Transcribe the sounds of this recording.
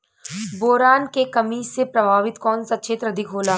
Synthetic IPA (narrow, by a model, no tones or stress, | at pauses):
boːɾaːnkekɐmisepɾɐbʱaːʋɪt̪kɔːnsɐtːʃʰeːt̪ɾɐd̪ʱɪkɦoːlaː